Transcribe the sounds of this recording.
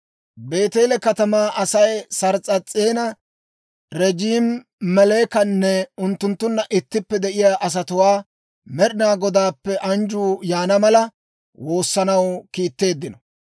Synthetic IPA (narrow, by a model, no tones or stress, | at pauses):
be̞ːt̪eːlɛkɐt̪ɐmaːʔɐsɐjsɐɾt͡sʼːɐt͡sʼːeːnɐ | ɾɛd͡ʒiːm | mɛleːkɐnːɛʊnt̪ːʊnt̪ːʊnːɐʔɪt̪ːɪpːɛd̪ɛʔɪjaːʔɐs̬ɐt̪ʊwaː | mɛɗɪnaːɡɔd̪aːpːɛʔɐnd͡ʒuːjaːnɐmɐlɐ | wo̞ːsːɐnɐwkiːt̪ːe̞ːd̪ːɪnɔ